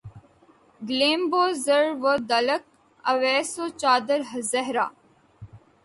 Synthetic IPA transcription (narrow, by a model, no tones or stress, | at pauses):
ɡlẽːmboːzəɾʋəd̪ɐlək̚ | ɐ̰ʋɛːsot͡ʃaːd̪əɾɦəzɛɦɾa̰ː